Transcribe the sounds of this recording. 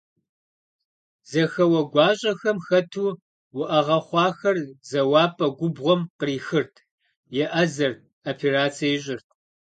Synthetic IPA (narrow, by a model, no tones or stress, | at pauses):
zɐxɐwɐɡʷɑːɕʼɐxɐmxɐtʰuː | wʊʔɐʁɐχʷɑːxɐrzɐwɑːpʰʼɐɡʷʊbʁʷɔmqəriːxɨrtʰ | jɛʔɐzɐr | opʰeraːt͡sʰijejɕʼɪrtʰ